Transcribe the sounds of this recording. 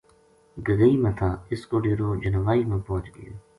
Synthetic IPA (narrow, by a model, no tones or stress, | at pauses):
ɡəɡəiːmẽːt̪ʰaːɪskoːɖeːɾoːd͡ʒənʋaːiːmẽːpɔ̃ːt͡ʃɡəjoː